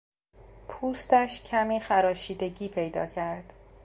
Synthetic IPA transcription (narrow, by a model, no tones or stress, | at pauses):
pʰuːst̪æʃcʰæmiːxæɾɒːʃiːd̪e̞ɟiːpʰe̞jd̪ɒ̰ːcʰæɾd̪̥